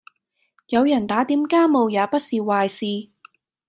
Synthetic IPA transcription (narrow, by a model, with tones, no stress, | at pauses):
jɐ˨˧wjɐ˨˩nt̪aː˨˥t̪iː˨˥mkaː˥mo˨˧wjaː˨˧pɐ˥t̚siː˨˧waː˨jsiː˨